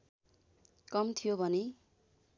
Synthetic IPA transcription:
kʌmt̪ʰijobʱʌne

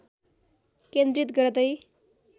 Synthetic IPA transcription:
kend̪rit̪̬ɡʌɾʌd̪ʌj

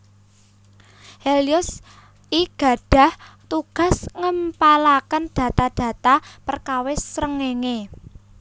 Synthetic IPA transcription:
helijʊs | ʔiɡ̥a̤ɖ̥a̤ht̪uɡ̥a̤sŋəmpalakənd̪̥ä̤t̪ad̪̥ä̤t̪apərkawɪsɾəŋeŋe

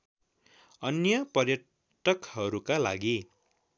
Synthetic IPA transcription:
ʌnjʌpʌrjʌ | ʈʌkɦʌɾukala̰ɡi

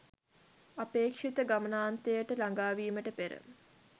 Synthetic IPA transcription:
apeːkʂit̪əɡamənaːnt̪ejəʈəlaŋɡaːʋiːməʈəpeɾə̰

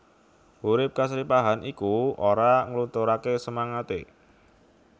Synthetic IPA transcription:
huɾɪp̚kasɾipaɦanʔikuoɾaŋəlunt̪oɾakesəmaŋat̪ḛ

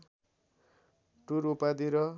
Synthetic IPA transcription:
ʈuɾupad̪iɾʌ

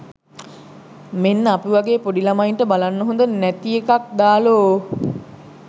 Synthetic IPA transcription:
menːapiʋaɡeːpoɖilamaiɳʈəbalanːəɦõnd̪ənæt̪iekak̚d̪aːloː

